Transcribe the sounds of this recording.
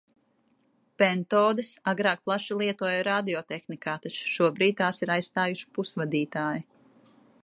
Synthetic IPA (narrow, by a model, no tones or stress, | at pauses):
pɛnt̪ɔːd̪ɨsaɡɾaːk̚plˠaʃilˠiɛt̪uɔjɾad̪iɔt̪exnikaːt̪at͡ʃʃuɔbɾiːd̪̚t̪aːsiɾajsst̪aːjuʃi̥pusvad̪iːt̪aːji